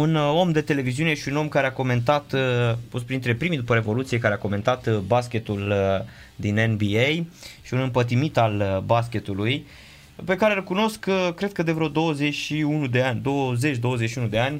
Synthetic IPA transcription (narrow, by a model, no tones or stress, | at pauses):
uno̞md̪e̞t̪e̞le̞viziuneʃiuno̞mkaɾeako̞me̞nt̪̬at̪post̪pɾint̪ɾe̞pɾimid̪upəɾe̞vo̞lut̪sie̞kaɾeako̞me̞nt̪at̪baskʲe̞t̪ul | d̪inenbiejʃiunɨmpət̪̬imit̪albaskʲe̞t̪uluj | pe̞kaɾelkuno̞skkɾe̞d̪̥̚kəd̪evɾeod̪o̞wəze̞t͡ʃʲʃiunud̪eanʲd̪o̞wəze̞t͡ʃʲd̪o̞wəzet͡ʃʃiunud̪e̞anʲ